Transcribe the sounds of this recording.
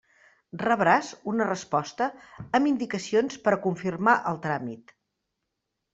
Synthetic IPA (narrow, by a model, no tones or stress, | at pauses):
rəβɾazunərəspɔst̪əːmind̪ikəsionspəɾkuɱfirmaʔəlˠt̪ɾamit̪